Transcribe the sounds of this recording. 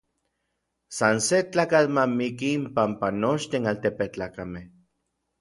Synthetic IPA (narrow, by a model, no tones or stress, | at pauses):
sanset͡ɬaːkat͡ɬmamikiːmpampanot͡ʃt̪inalt̪epeht͡ɬaːkameh